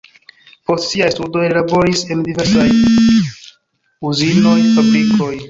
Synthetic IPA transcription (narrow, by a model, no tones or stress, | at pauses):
po̞stsiajstudo̞jlabo̞ɾise̞ndive̞ɾsaj | uzino̞jfabɾikʰo̞j